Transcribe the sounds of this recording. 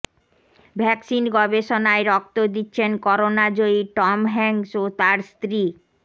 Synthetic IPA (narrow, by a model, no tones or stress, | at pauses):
bʱɛksinɡɔbeʃonaeɾɔk̚t̪od̪itːɕʰenkɔɾonad͡ʑoiʈɔmɦɛŋsot̪aɾst̪ɾi